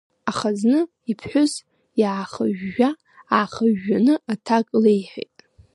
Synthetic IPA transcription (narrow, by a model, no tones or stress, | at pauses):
aχaznɨ | ipʰħʷʊz | jaːχəʒːa | aχəʒːanɨatʰakʼlejħḛjtʼ